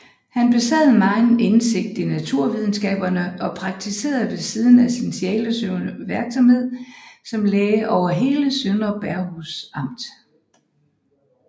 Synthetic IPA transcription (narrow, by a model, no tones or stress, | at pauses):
hænb̥e̝sɛ̰ð̩ˠmɑ̈ɪnense̝ɡ̥̚d̥inæt͡sʰuɐ̰ʋið̞ˠn̩sɡ̥ɛ̰ːb̥ɐnəʔɒ̽pʰʁɑ̈ɡ̥̚t͡sʰise̝̰ːɐð̩ˠʋe̝siːð̞ˠn̩æsinsiɛ̰ːləsøʊnʋeɐɡ̥sɒ̽mhe̝ð̰ˠsɒ̽mleːɪʔɒʊɐɦe̝ːləsønɒ̽b̥æɐhusɑ̈m̰d̥